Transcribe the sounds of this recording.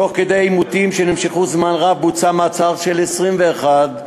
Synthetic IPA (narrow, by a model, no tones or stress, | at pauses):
to̞χked̪ejajmut̪imʃenimʃeχuzmanʁavbut͡samat͡saʁʃelesʁimveːχad̪